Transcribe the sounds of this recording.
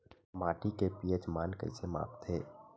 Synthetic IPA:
maːʈikepiːət͡ʃmaːnkə̰ɪsema̰ːpt̪ʰeː

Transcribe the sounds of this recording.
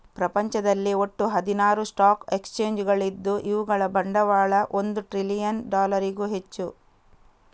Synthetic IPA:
pɾɐpɐɲt͡ʃɐd̪ɐlːio̞ʈːuɦɐd̪inaːɾusʈaːke̞kst͡ʃe̞ːɲd͡ʒɡɐɭid̪ːuʔiʋuɡɐɭɐbɐɳɖɐʋaːɭɐʔo̞nd̪uʈɾilijɐnɖaːlɐɾiɡuɦe̞t͡ʃːu

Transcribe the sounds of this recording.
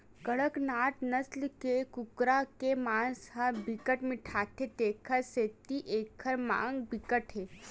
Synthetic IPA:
kəɽəknaːʈnəslkekukɾakemaːnsɦabikəʈmiʈʰaːt̪ʰet̪eːkʰəɾseːt̪iʔeːkʰəɾmã̰ːŋɡbikəʈʰɦeː

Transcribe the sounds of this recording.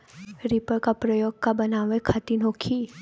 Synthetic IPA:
ɾipəkapɾəjoːɡ̚kabənaːʋekʰat̪inɦoːkʰi

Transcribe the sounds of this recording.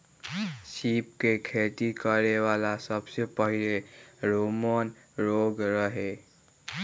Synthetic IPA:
sip̚kekʰet̪ikəɾewalasəbsepəɦileɾomənɾoɡɾəɦe

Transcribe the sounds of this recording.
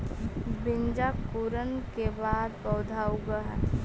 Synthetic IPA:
bɪnd͡ʒakuɾənkebaːd̪pɔːd̪ʱaːuɡəɦɛ

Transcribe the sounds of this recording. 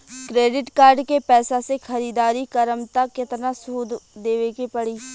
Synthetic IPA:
kɾeːɖɪʈkaːɾɖkepɛːsasexɐɾiːd̪aːɾikəɾəmt̪akɪt̪nasuːd̪d̪eːʋekipɐɽiː

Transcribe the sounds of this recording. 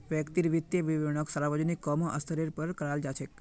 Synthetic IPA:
ʋəkt̪iɾʋit̪jəʋiʋeɳ̃əksəɾaʋad͡ʒonikːɔmoʔəst̪ʰəɾiɾpəɾkəɾald͡ʒat͡ʃʰe

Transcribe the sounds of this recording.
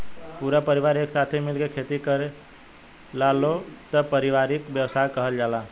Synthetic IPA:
puɾapəɾiʋaɾeːksat̪ʰemilkekʰet̪ikəɾe | lalot̪əpəɾiʋaɾikbjəwsajkəɦəld͡ʒala

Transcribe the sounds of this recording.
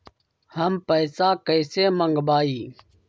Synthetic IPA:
həmpəjsaːkəjseːməŋɡbaːiː

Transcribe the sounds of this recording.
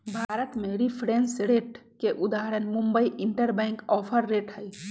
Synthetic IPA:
bʱaːɾət̪meɾipʰɾensɾeːʈkeʔud̪aːɾənmũmbəiʔiɳʈəɾbɛ̃ːŋkɔːpʰəɾːeːʈɦəj

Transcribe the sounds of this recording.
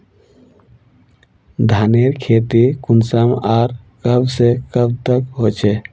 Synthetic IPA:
d̪ʱaneɾkʰet̪ikunsəmaːɾkəbsekəb̚t̪əkɦot͡ʃʰɛ

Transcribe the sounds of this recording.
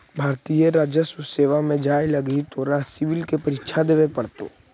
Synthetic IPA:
bʱaːɾt̪ijeɾaːd͡ʒjəsuseːʋamẽd͡ʒaːelɐɡit̪oɾasɪʋɪlkepəɾɪtːʃʰad̪eːʋepəɽt̪o̰ː

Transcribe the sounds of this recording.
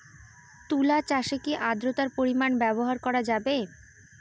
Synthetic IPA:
t̪ulat͡ɕaʃekiʔad̪ɾot̪aɾpoɾimanbɛboɦaɾkɔɾad͡ʑabe

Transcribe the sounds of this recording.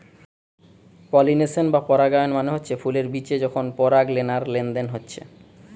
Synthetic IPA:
pɔlinesenbapɔɾaɡajonmaneɦotːɕʰefuleɾbit͡ɕed͡ʑɔkʰonpɔɾaɡlenaɾlend̪enɦotːɕʰḛ

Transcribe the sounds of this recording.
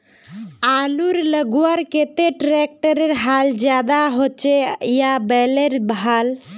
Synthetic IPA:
aːluɾləɡuaɾket̪eʈɾek̚ʈəɾeɾɦald͡ʒjaːd̪aɦot͡ʃejabɛleɾbɦal

